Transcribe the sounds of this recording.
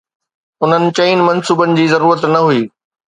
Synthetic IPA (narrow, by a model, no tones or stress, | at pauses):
ʊn̤ənɪ̆t͡ɕɐiːnɪmɐnsuːbənɪ̆d͡ʑiːzɐɾuːɾət̪nɐɦuiː